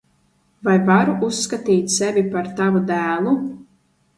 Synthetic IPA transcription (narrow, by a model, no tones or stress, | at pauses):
vajvaɾuʔusːkat̪iːt̪ʲsɛvʲipaɾt̪avud̪æːlˠu